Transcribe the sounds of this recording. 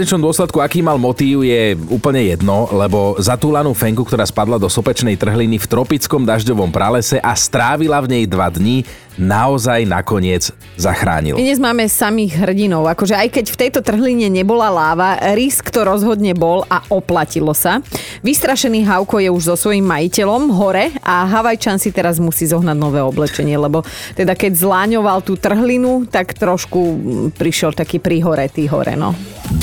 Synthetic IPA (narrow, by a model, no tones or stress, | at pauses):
ɲɛt͡ʃnɔmd̪ɔslɛt̪kuakiːmalmɔt̪iːʊjɛuːpl̩ɲɛjɛd̪nɔlɛbɔzat̪uːlanuːfɛŋkuk̚t̪ɔɾaːspad̪lad̪ɔsɔpɛt͡ʃnɛjt̪r̩ɦlinift̪ɾɔpit͡skɔmd̪aʒɟɔʋɔmpɾalɛsɛʔast̪ɾaːʋilavɲɛjd̪ʋad̪ɲi | naɔzajna̰kɔɲɪɛd͡z | zaxɾa̰ːɲḭl̰d̪ɲɛzmaːmɛsamiːɣɦr̩ɟinɔʊakɔʒɛajkɛcft̪ɛjt̪ɔt̪r̩ɦliɲɛɲɛbɔlalaːʋaɾiskt̪ɔɾɔzɦɔd̪ɲɛbɔlʔaʔɔplacilɔsaʋist̪ɾaʃɛniːɦaʊkɔjɛuʒzɔsʋɔjimːajicɛlɔmɦɔɾɛaɦaʋajt͡ʃansit̪ɛɾazmusiːzɔɦnaɟ̪nɔʋɛːɔblɛt͡ʃɛɲɪɛlɛbɔt̪ɛd̪akɛɟzlaːɲɔʋalˠt̪uːt̪r̩ɦlinut̪akt̪ɾɔʃkupɾiʃɪɛlt̪akiːpɾiɦɔɾɛt̪iːɦɔ̰ɾɛ̰nɔ̰